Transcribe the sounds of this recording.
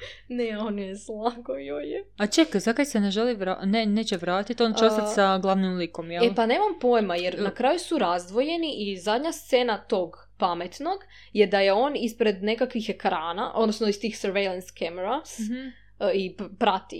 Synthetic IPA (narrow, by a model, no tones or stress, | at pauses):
neonjeslˠakojojeat͡ʃekzakajseneʒeliʋɾaneneːt͡ɕeʋɾaːt̪it̪o̞nat͡ʃeost̪at̪saɡlˠaʋnimlikomjɛepane̞ːmampo̞jmajeɾnakɾaːjusuɾazd̪ʋo̞je̞niʔizad̪ɲast̪se̞ːnat̪o̞ɡ | pame̞t̪no̞ɡ | jed̪aje̞o̞ːnispɾe̞d̪ne̞kakʋixe̞kɾaːnaʔo̞̰d̪nosnoist̪iːxsəɾʋejlˠenskemeɾas | ipɾat̪ḭ